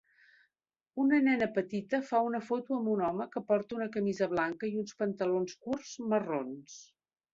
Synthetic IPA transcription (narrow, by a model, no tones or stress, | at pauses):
unənɛnəpət̪it̪əfaunəfot̪uəmbunɔməkəpɔɾt̪əunəkəmizəβlaŋkəiunspənt̪əlonskurz̥mərons